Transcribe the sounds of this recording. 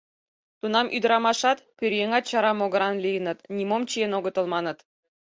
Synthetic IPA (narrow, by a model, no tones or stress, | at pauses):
t̪unɑmʔyd̪ɾɑmɑʃɑt̪pʲøɾʲjeŋɑt̪̚t͡ɕɑɾɑmoɡɤ̆ɾɑnlʲijənə̆t̪nʲimomt͡ɕijenoɡə̆t̪ɤ̆lˠmɑnɤ̆t̪